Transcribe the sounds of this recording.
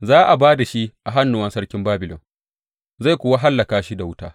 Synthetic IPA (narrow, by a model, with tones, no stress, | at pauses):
zaː˦ʔa˨baː˦da˨ʃi˦ʔa˨ɦa˦nːʊ˦˨wɐ˦nsɐ˦ɽkʲɪ˦mbaː˦bɪ˨lɔ̰˨n | za˦˨kʷʊ˦wa˦ɦa˦lːɐ˨kaː˦ʃi˦da˨wʊ˦taː˦